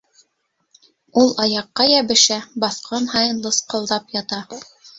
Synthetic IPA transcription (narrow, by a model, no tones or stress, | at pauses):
ulˠɑjɑqːɑjæβɘ̆ʃæbɑθqʰɑnhɑjɤ̆nlˠɤsqɤ̆lˠd̪ɑpjɑt̪ɑ